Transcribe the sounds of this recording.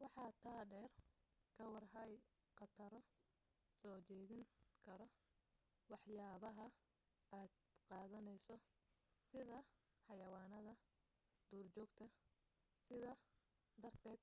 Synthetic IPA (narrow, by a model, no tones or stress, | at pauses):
wɑħɑːt̪ʰaːɖɛːrkʰɐwɑrɦɐj | qɑt̪ʰɐɾɔ | sɔːt͡ʃɛːðɪŋkʰɐɾɔ | wɑħjaːβɐɦɐ | aːd̪qɑːðɐnɛjsɔ | sɪðɐ | ħɑjɐwɑːnɐðɐ | d̪̥uːrt͡ʃɔːɡt̪ʰɐ | sɪðɐ | d̪ɐrt̪ʰɛːd̪̚